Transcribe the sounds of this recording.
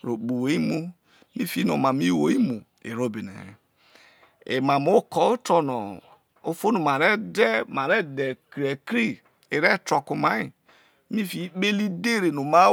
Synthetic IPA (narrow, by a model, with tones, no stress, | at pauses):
ɾo˨bu˨wo˨˦i˦mu˦ | mi˦fi˨˦no˨ma˨mi˦wo˨˦i˦mu˨ | ḛ˨ɾo˦bi˨nḛ˨ | ḛ˨ma˨mo˦kɔ˨o˦tɔ˨nɔ˨ | o˦fo˦no˨ma˨ɾe˦dɛ˦ma˨ɾe˦de˨kɾi˨e˨kɾi˦ | e˨ɾɛ˦tɾo˨ku˨ma˨˦i˨ | mi˦fi˨˦k͡pe˦li˦de˦˨ɾe˨no˨ma˦